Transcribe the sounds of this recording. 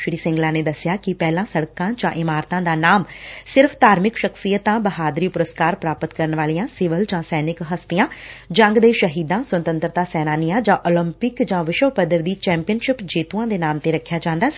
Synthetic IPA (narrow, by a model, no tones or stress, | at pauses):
ʃɾiːsɪ̃ŋɡlãːneːd̪əsɪjaːkɪpɛːlãːsəɽkãːd͡ʒã̰ːʔɪmaːɾt̪ãːd̪aːnaːmsɪɾpʰt̪aːɾmɪkʃəksijət̪ãːbəɦaːd̪ɾiːpʊɾəskaːɾpɾaːpət̪kəɾənʋaːlijãːsɪʋəld͡ʒãːsɛːnɪkɦəst̪ɪjãːd͡ʒə̃ŋɡd̪eːʃəɦiːd̪ãːsənt̪ə̃nt̪ɾət̪aːsɛːnaːnijãːd͡ʒãːʔɔːləmpɪkd͡ʒãːʋɪʃəpəd̪əɾd̪iːt͡ʃɛ̃ːmpijənʃɪpd͡ʒeːt̪uãːd̪eːnaːmt̪eːɾəkʰːɪjaːd͡ʒãːnd̪aː